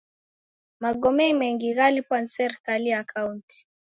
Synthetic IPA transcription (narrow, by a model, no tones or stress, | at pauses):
maɡɔmɛimɛŋɡiɣalipwansɛɾkaliakaunti̥